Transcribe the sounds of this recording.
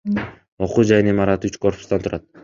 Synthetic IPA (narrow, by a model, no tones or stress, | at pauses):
o̞quːd͡ʒɑjɯnimɑɾɑt̪yt͡ʃkʰo̞rpʊ̥st̪ɑnt̪ʰuɾʔɑt̪̚